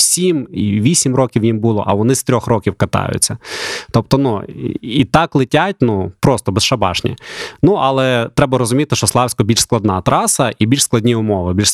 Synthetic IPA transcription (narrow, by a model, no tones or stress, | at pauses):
sʲimḭʋʲisʲimrɔkʲiwjimbulˠɔ̰ʔɐʋɔnɪst̪ɾʲɔxɾɔkʲiwkɐt̪ɑ̰jʊ̰t͡sʲːɐt̪ɔp̚t̪ɔnuit̪ɑklˠɪtʲat̚ʲnupɾɔst̪ɔbesʃɐbɑ̰ʃnʲḭnuʔɐlˠɛt̪ɾɛbɐɾɔzʊmʲit̪ɪʃt͡ʃɔslˠɑwsʲkɔbʲilʲʃsklˠɐd̪nɑt̪ɾɑsɐʔibʲilʲʃsklˠɐdʲnʲiʊmɔʋɪbʲilʲʃ